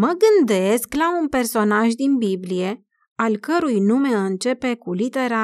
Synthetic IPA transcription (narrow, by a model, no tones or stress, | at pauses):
məɡɨnd̪e̞sklaunpe̞rso̞naʒd̪inbiblije̞ | alkəɾujnume̞ɨnt͡ʃe̞pe̞kulit̪e̞ɾa